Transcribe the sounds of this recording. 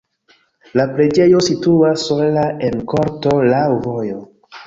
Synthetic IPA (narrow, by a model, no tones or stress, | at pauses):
lapɾe̞d͡ʒe̞jo̞situasːolaʔe̞nko̞ɾto̞lawvo̞jo